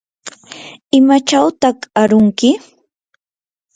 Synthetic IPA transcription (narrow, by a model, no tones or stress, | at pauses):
ɪmat͡ʃawt̪ɑχaɾʊŋkɪ